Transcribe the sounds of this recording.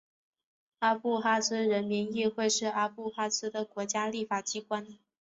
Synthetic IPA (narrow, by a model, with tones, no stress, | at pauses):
a˥pu˥˧xa˥sɹ̩˥ɻə˧˥nmi˧˥ŋi˥˧xwe˥˧ɪʂɻ̩˥˩a˥pu˥˧xa˥sɹ̩˥d̪ə˨kwɔ˧˥t͡ɕja˥li˥˩fa˨˩t͡ɕi˥kwa˥n